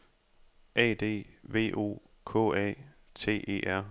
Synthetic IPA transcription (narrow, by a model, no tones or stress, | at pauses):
ʔɛ̰ːd̥e̝̰ːʋe̝̰ːʔo̝̰ː | kʰɔ̰̽ːɛ̰ | t͡sʰe̝̰ːʔe̝̰ːʔæɐ̰